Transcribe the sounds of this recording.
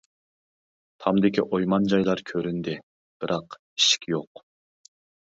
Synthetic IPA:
t̪ʰɑmd̪ɪkʲiʔojmɑnd͡ʒɑjlˠɑɾkʲʰøɾynd̪ɪ | b̥ɪɾʔɑq | i̥ʃkʲjoq

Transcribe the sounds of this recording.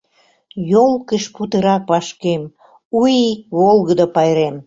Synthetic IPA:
jolˠkəʃput̪əɾɑk̚pɑʃkem | ujikβolɣəd̪opɑjɾem

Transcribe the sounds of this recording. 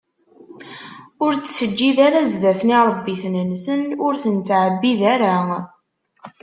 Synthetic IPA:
ʊɾt͡ssəd͡ʒːiðaɾazðæθniɾˤəbːiθnənsənʊɾθənt̪ʕəbːiðaɾa

